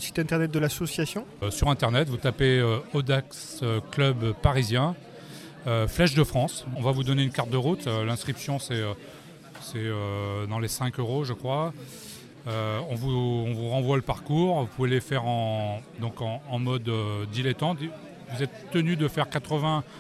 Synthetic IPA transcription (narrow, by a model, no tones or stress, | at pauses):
si̥t̪ɛ̃t̪ɛʁnɛt̪̚d̪əlasɔsjasjɔ̃syʁɛ̃t̪ɛʁnɛt̪vut̪apeøɔd̪aks | øklœbpaʁizjɛ̃ | øflɛʃd̪əfχɑ̃sɔ̃vavud̪ɔneynkaʁt̪̚d̪əʁut̪ølɛ̃skχipsjɔ̃sɛø | sɛød̪ɑ̃lesɛ̃køʁoʒəkχwa | øɔ̃vuɔ̃vuʁɑ̃vwaləpaʁkuʁvupuveləfɛʁɑ̃d̪ɔ̃kɑ̃ːmɔd̪øːilɛt̪ɑ̃t̪ | vuzɛt̪ːənyd̪əfɛʁkat̪χəvɛ̃